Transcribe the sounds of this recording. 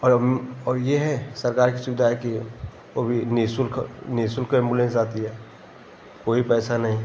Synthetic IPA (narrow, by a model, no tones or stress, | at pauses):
ɔːɔːɾjeɦɛsɐɾkaːɾk̬isʃʊbɪd̪ʱaɦɛki | obʱinisʊlkniːsʊlkaɪ̃mbʊlẽnsaːt̪iɦɛː | koːipɛːsanɐɦĩ